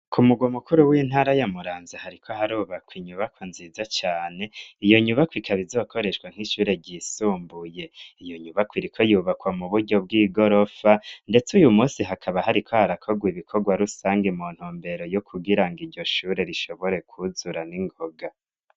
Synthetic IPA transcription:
kʰumuɡwomukuɾuwiːn̥haːɾajamuɾaːnzihaɾikʰo̞ɦaɾuːβakwiɲuβakwonzizat͡ʃaːne̞ijo̞ɲuβakwikʰaβizokʰo̞ɾe̞ʃwaŋ̥hiʃuːɾe̞ɟiːsuːmbuje̞ijo̞ɲuβakwiɾikʰo̞juːβakwamuβuɾɟo̞b̚ɡiːɡo̞ɾo̞fande̞t͡sujumuːsiɦakʰaβaɦaɾikʰohaɾakʰo̞ɡwiβikʰo̞ɡwaɾusaːŋɡimuːn̥huːmbe̞ɾo̞jokʰuɡiɾaŋɡiɾɟo̞ʃuːɾe̞ɾiʃo̞βo̞ɾe̞kʰuzuɾaniŋɡoɡa

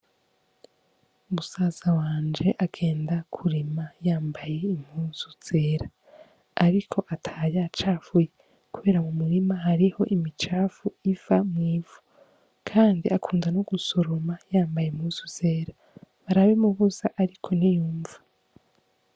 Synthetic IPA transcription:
umusaːzawaːnd͡ʒe̞ʔaɡe̞ːndakʰuɾimajaːmbaje̞im̥huːnz̥uz̥e̞ːɾaː | ɾikʰo̞ʔatʰajat͡ʃaːfuje | kuβe̞ːɾamumuɾimahaɾiho̞ʔimit͡ʃaːfuivamŋiːvu | kʰaːndiakʰuːndanoɡ̥usoɾomajaːmbajeimhuːzuz̥e̞ːɾa | βaɾaβimuβuzaʔaɾikʰo̞nijuːɱvu

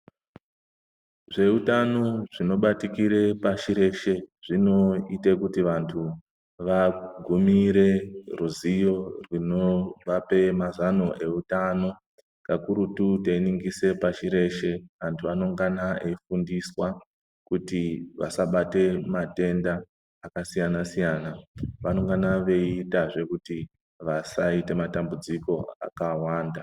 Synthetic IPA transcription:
ʐe̞utano̞ʐino̞ɓatikiɾe̞paʃiɾe̞ʃe̞ʐ̥ino̞itekutiʋantʰu | ʋaɡʱumiɾe̞ruzijo̞rwinoʋape̞mazano̞ʔe̞utano̞ | kakuɾututeiniŋɡise̞paʃiɾe̞ʃe̞ʋantʰuʋano̞ŋɡanaeifundiswa | kutiʋa̰saɓate̞mate̞ndaː | kasijanasijanaʋano̞ŋɡanaʋe̞itaʐe̞kuti | ʋasaite̞matambud͡ziko̞a̰kawaːnda

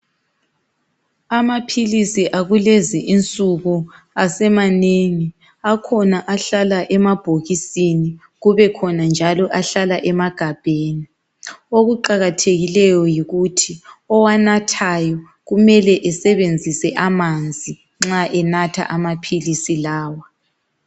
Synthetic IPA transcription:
amapʰilisiʔaɣulɛziʔint͡sʼuɣu | asɛmaneŋi | akʰɔnaʔaɬalaʔɛmab̥ʱoɣisini | ɣuβɛkʰɔnand͡ʒʱalɔʔaɬalaʔɛmaɡ̥ʱab̥ʱeːni | oɣuǃaɣatʰeɣilɛjɔjiɣutʰiɔwanatʰajɔ | ɣumɛlɛʔɛsɛβend͡zʱisɛʔamand͡zʱi | ŋ͡ǁaʔɛnatʰa̰ʔamapʰilisilaːwa

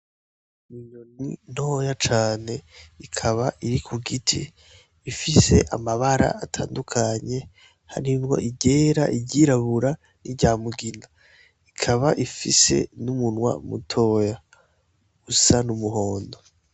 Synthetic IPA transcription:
miɲonin̥ho̞ːjat͡ʃaːne̞ikʰaβaʔiɾikʰuɡitʰiː | fise̞̰ʔamaβaɾa̰atʰa̰ːndukʰaɲe̞ | ha̰ɾimŋo̞̰ʔiɟe̞ːɾa̰ʔiɟiɾaβuɾa | niɟaːmuɡina | ikʰaβaʔifise̞̰numunwa̰mṵtʰo̞ːja | ɡ̥usanumuɦoːndo

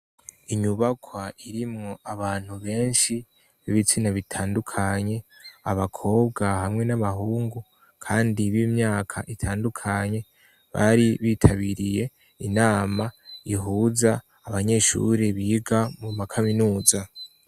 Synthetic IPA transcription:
iɲuβakʰwaiɾimŋo̞aβaːn̥huβe̞ːnʃi | βiβit͡sinaβitʰaːndukʰaɲe̞aβakʰo̞ːb̚ɡahamŋe̞naβaɦuːŋɡu | kʰaːndiβimɲaːkʰaʔitʰaːndukʰaɲe̞ | βa̰ɾiβiːtʰaβiɾije̞ | inaːmaiɦuːzaː | βaɲe̞ʃṵɾeβiːɡamumakʰaminuːza

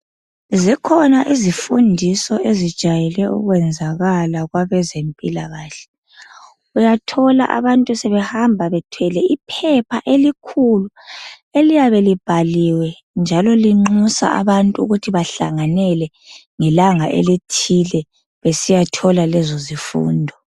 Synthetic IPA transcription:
zikʰɔnaʔizifundʱisɔʔezid̥ʒ̥ʱajɛlɛṵɣwɛnd͡zʱaɣalaɣwaβɛzempʼilaɣaːɬɛ̥ | ujatʰɔla̰ʔa̰βantʼusɛβɛhambʱaβɛtʰwɛlɛipʰɛpʰaʔelikʰulu | elijaβelib̥ʱaliwɛ | nd͡ʒʱalɔliŋ͡ǃusa̰a̰βantʼuṵɣutʰiβaɬa̰ŋanɛlɛ | ŋɛlaŋaʔḛlitʰilɛ | βesijatʰɔlalɛzɔzifṵːndʱɔ

